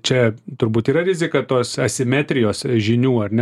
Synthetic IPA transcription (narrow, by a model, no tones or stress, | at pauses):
t͡ʃʲɛt̪ʊɾbuːt̪iːɾɐɾʲɪzʲɪkɐt̪oːsɐsʲɪmʲæːt̪ʲɾʲɪjoːsʒʲɪnʲuːɐrʲnʲɛ